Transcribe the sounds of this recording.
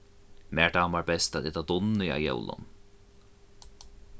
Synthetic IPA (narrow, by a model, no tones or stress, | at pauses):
mæːɹd̪aːmaɹbɛst̪at̪ɛt̪ad̪ʊnːɪja̰jɛ̰wlˠʊ̰n